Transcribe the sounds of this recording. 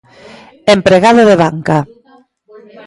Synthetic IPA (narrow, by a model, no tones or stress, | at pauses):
empɾeɣaðoðeβaŋka